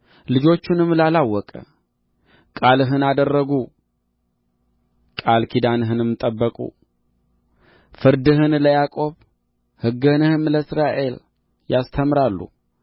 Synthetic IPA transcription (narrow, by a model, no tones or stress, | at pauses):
lɨd͡ʒo̞t͡ʃːunɨmlalawɔkʼə̰ | kʼalɨɦɨnad̪ərːəɡu | kʼalkʰid̪anɨɦɨnɨmt̪ʼəbːəkʼṵ | fɨɾd̪ɨɦɨnləjakʼo̞β | hɨɡənɨhɨmləɨsɾaʔe̞l | jast̪ʰəmɾalːṵ